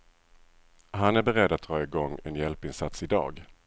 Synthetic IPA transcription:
ɦanæɾbɛɾɛd̪ːat̪̚d̪ɾɑːɪɡɔŋːɛnjɛlpɪnsat̪sɪd̪ɑ̰ːɡ

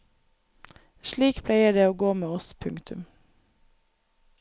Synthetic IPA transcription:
ʃlɭiːkpʰlæɪəɖeːoːɡoːmeːɔspʰʉŋkt̪ʰʉm

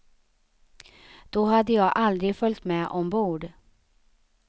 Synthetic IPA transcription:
d̪̥ɔɦad̪ːəjɑːɡʔald̪ɾɪɡfœlʲt̪mɛːʔɔmbuːɖ

